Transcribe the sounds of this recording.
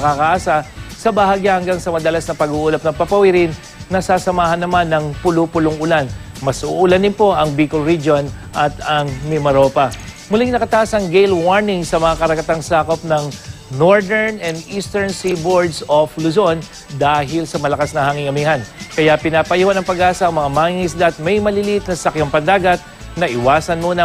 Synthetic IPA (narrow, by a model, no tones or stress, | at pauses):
ɐkakaʔaːsɐsɐbɐhaɡjahɐŋɡaŋsɐmɐd̪ɐlasnɐpɐɡuːʔuːlɐp̚nɐŋpɐpɐwiɾɪnː | ɐsaːsɐmaːhɐnːɐmanːɐŋpʊlʊpʊlʊŋʔʊlan | mɐsʔʊʔʊlanɪnpo̞ʔɐŋbiːkolɾid͡ʒo̞nʔɐt̪ɐŋmɛmɐɾo̞ːpɐmʊlɪŋnɐkɐt̪aʔɐsɐŋɡejlwaɹnɪŋsɐmɐŋakɐɾɐɡɐt̪aŋsaːko̞p̚nɐŋnoɹd̪ɛɹnɛnd̪iːst̪ɛɹnsiboɹd̪soflʊzon | d̪aːɦɪlsɐmɐlɐkasnɐhɐŋiŋɐmiːhɐnkɐjapɪnapɐjuhɐnɐŋpɐɡaːsɐɐŋmɐŋamaːŋiŋɪs̬d̪aʔːt̪̚mɐjmɐlɪlʔɪt̪̚nɐsɐkjɐmpɐd̪aːɡɐt̪̚ | nɐʔɪwaːsɐnmuːnɐ